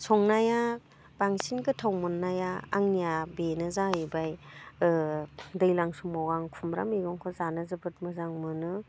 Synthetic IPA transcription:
sɔŋnaja | baŋsinkɯtʰawmɯnːaja̰ːŋnijabenɯzaibaj | dɯjlaŋsuŋmɔwɡaŋkʰumɾa̰miɡɔŋkʰɔzanɯzɯbɯt̚mɯzaŋmɯnɯ

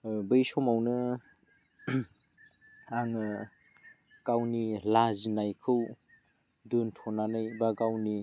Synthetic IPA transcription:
bɯjsɔmawnɯ | aŋɯ | kawnilazinajkʰɯw | dɯntʰɔnanɯjbaɡawni

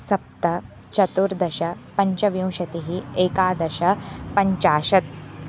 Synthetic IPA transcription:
sɐp̚t̪ɐ | t͡ʃɐt̪uɾd̪ɐʃɐpɐɲt͡ʃɐʋjĩw̃ʃɐt̪iɦieːkaːd̪ɐʃɐpɐɲt͡ʃaːʃɐt̪̚

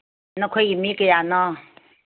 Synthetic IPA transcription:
nɔ̃kʰejimĩkəjanɔ̃

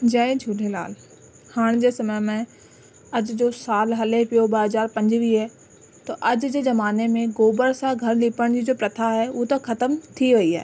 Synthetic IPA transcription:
d͡ʒaːẽt͡ʃʰuːʈʰela̰ːl | haːɽ̃d͡ʑeːsɐməjmɛ̃ | ɐd͡ʑd͡ʑoːsaːlɦɐlepijobɐɦɐzaːɾpɐ̃ɲd͡ʑʋiɦɛː | t̪oʔɐd͡ʑd͡ʑezɐmaːnemẽɡoːbəɾsãɡʱɐɾliːpəɽ̃d͡ʑid͡ʑoːpɾɐt̪ʰaɦɛuːt̪ɐkʰɐt̪əmt̪ʰiʋɐiɦɛ̰ː

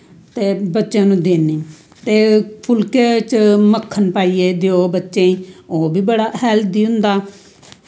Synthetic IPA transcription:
t̪eːbətːʃãːnũːd̪eːneː | t̪eːpʰʊlket͡ʃməkʰːənpaːiːeːd̪eoːbətːʃẽːĩːoːbiːbəɽaːhɛːld̪iːɦʊ̃nd̪aː

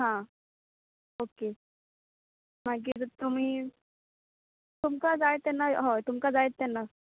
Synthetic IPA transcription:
ɦã | oke | m̤ak̬it̪um̤iː | t̪umkad͡zaet̪ːɛnːaɦot̪umkad͡zaet̪ːɛnːa

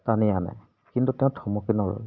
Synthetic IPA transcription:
tanijana̰ | kintutɛ̃ʊ̃tʰɔmɔkinɔɹ

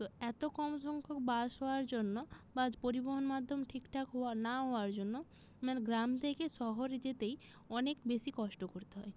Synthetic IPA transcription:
t̪oɛt̪okɔmoʃɔŋkʰok̚bad͡ʑɦooaɾd͡ʑonːobad͡ʑpoɾiboɦonmad̪ʱːomʈʰikʈʰakɦoanaɦɔoaɾd͡ʑonːo | mɛnɡɾamt̪ʰekeʃɔɦoɾed͡ʑet̪ejɔnekbeʃikɔʃʈokoɾt̪eɦɔe

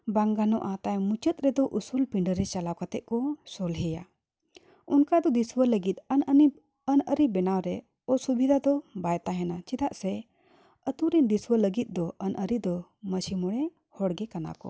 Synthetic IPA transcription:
baŋɡanɔʔat̪ajmut͡ʃət̪̚ʼɾɛd̪ɔʔusulpiɳɖəɾɛt͡ʃalawkat̪ɛʔ̪̚kɔsɔlɦɛja̰ | unkad̪ɔd̪iswələɡit̪̚ˀənəi | ənəɾibɛnawɾɛ | ɔsubʱid̪ʱad̪ɔbajt̪aɦɛnat͡ʃid̪aʔsɛ | ət̪uɾind̪iswələɡit̪̚ˀd̪ɔʔənʔəɾid̪ɔməsimɔɽɛ | hɔɽɡɛkana̰kɔ̰

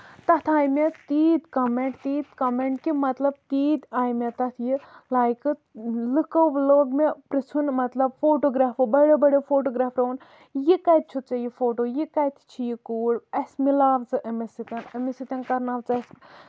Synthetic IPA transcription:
t̪ɐt̪ʰaːjmet̪iːt̪kɐmeɳʈ̚t̪iːt̪kɐmeɳʈ̚kimɐt̪lɐb̚t̪iːt̪aːjmet̪ɐt̪ʰjilaːjkɨlɨkoʋloːɡmepɾisʰunmɐt̪lɐb̚foːʈoːɡɾaːfobɐɽebɐɽefoːʈoːɡɾaːfɾɐːn | jikɐt̪̚t͡ʃʰut̪̚t͡sɐjifoːʈoːjikɐt̪ʰt͡ʃʰijikuːɽɐsmilaːʋt͡sɨʔɐmisit̪ʲɐnɐmisit̪ɐnkɐɾnaːʋt͡sɨɐs

